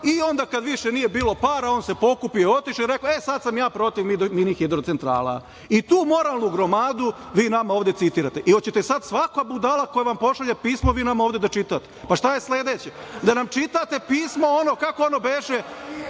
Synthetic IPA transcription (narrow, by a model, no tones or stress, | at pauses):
io̞nd̪aːkad̪ʋiʃenije̞biːlˠo̞paːɾao̞ːnse̞po̞kupijoo̞t̪iʃiɾe̞koe̞sad̪samjaːpɾo̞t̪iʋmid̪minixid̪ɾot̪sent̪ɾa̰ːlˠa̰ | it̪uːmo̞ɾalˠnuɡɾo̞maːd̪u | ʋiːnamaoːʋd̪e̞t̪it̪iːɾat̪e̞ʔiot͡ɕet̪esad̪sʋakabud̪alˠako̞jeʋampo̞ʃaʎepiːsmo̞ʋiːnamaoːʋd̪e̞d̪at͡ʃit̪at̪epaʃt̪aje̞sled̪eːt͡ɕed̪anamt͡ʃit̪at̪e̞piːsmo̞onokako̞ono̞beʒe